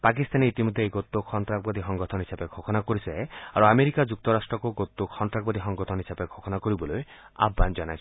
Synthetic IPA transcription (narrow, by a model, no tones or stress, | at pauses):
pak̬ist̪aneit̪imod̪ʱːeeɡot̪ːokʰɔnt̪ɾak̚bɔd̪iɦɔŋɡɔt̪ʰɔnisapeɡʱokʰɔnakɔɾisaeaɾuameɾikad͡ʒuk̚t̪ɔɾasʈɾɔkoɡot̪ːokʰɔnt̪ɾakbɔd̪iɦɔŋɡɔt̪ʰɔnisapeɡʰʱokʰɔnakɔɾibɔloea̰bʱɡand͡ʒɔnajt͡ʃʰ